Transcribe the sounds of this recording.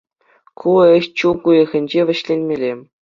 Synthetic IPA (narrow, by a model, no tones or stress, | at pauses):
kʰuɘ̆ɕt͡ɕukujɤ̆ɣʲɘ̆nʲd͡ʑeʋʲɘ̆ɕlʲenʲmʲelʲe